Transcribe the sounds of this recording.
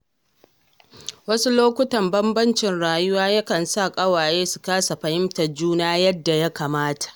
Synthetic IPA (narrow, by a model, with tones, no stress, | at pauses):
wɐ˦su˦loː˦kʷʊ˦tɐ˨mbɐ˦mbɐ˦nt͡ʃɪ˨nɽaː˨jʊ˦waː˦ja˦kɐ˨nsa˦˨kʼɐ˦waː˨jeː˦su̥˨kaː˦sa˨ɸɐ˨hɪ˦mtɐ˨rd͡ʒuː˦naː˦jɐ˦dːa˨ja˦kaː˨maː˦tḁ˨ʔ